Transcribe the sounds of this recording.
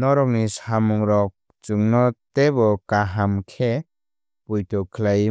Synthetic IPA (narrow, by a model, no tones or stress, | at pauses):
nɔɾɔk̚nisamuŋɾɔk̚ | t͡ʃuŋnɔt̪ebɔkaɦamkʰe | pujtɔkʰlaj